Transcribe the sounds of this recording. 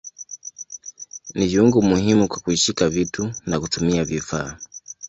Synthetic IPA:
niviuŋɡumuhɦimukwakuiʃikavitunakutumiavifa̰ː

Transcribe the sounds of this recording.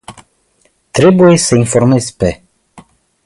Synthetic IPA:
t̪ɾe̞buje̞səinfo̞rme̞zʲpe̞

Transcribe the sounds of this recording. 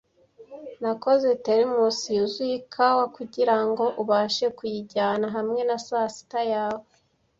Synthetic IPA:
nako̞ze̞teɾimusijuzwikʰawakuɟiɾaŋɡo̞ʔuβaːʃe̞kujiɟaːnaɦamŋe̞nasaːsi̥tajaːwe

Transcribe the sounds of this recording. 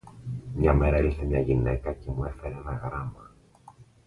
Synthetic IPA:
mɲɐme̞ɾɐelθe̞mɲɐʝine̞kɐce̞mue̞feɾeenɐɣɾɐmɐ

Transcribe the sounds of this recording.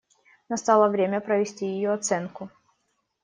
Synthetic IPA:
nɐst̪alˠəvɾʲemʲəpɾəvʲɪsʲtʲijɪjoɐt̪sɛnkʊ

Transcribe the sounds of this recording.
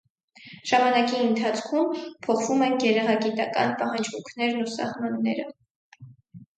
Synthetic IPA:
ʒ̥ɑmɑnɑkiənt̪ʰɑt͡sʰkʰumpʰɔχvumɛnɡɛɾɛʁɑɡit̪ɑkɑ̰npɑhɑnd͡ʒvuŋkʰnɛɾnusɑ̰hmɑnːɛɾə

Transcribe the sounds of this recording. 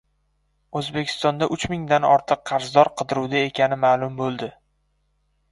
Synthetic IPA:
ɵzbekʲʰɪ̥st̪ɒnd̪aʔʊt͡ʃmɪŋd̪anɒ̰ɾt̪ʰɨqqʰːɑɾzd̪ɒɾqʰɨd̪ɪɾuwd̪ae̞kʲanɪmaːlˠʊmbolˠd̪ɪ

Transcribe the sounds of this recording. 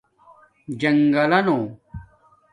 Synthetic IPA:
d͡ʑɐŋɡɐlɐno

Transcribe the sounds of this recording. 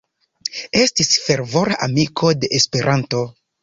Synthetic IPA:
e̞stisfe̞ɾvo̞ɾaʔamikʰo̞de̞ʔespe̞ɾʔanto̞

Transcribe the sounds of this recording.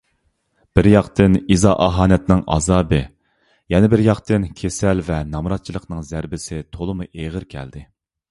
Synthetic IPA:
b̥ɪɾjɑqt̪ɨnizɑːʔɑɦɑːnɛt̪nɪŋʔɑ̰zɑːbɨ | jɛnɪbɪɾjɑqt̪ɨnkʲʰesɛlvɛnɑmɾɑt̪̚t͡ʃʰilˠəqnɨŋzæɾbɪsɪt̪ʰolˠəmuʔeʁəɾkʲʰɛ̰ld̪ɪ

